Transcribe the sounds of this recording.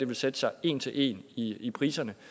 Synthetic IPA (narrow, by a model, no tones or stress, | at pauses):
d̥e̝ʋe̝lsed̥əsɑ̈ɪe̝̰ːnt͡sʰe̝lʔe̝̰ːniipʰʁḭːsɐnə